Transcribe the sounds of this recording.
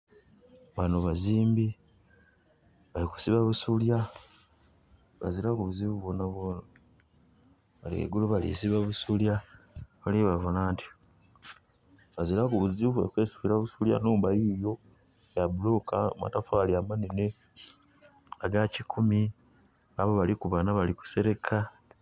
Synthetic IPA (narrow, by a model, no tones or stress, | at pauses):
βanoβaziːmbi | βaliku̥siβaβusulja | βa̰zilakuβuziβuβonaβona | βaliḛɡuluβalḭsiβaβusuljaβalieβavunaːnti̥ | βazilakuβuziuvuekwe̞ːsu̥βiɾaβusulja̰nuːmbajijo̞ | jabulo̞kama̰tafaliamanene | aɡacikʰumi | aβoβalikuβanaβaliku̥se̞ɾe̞kʰa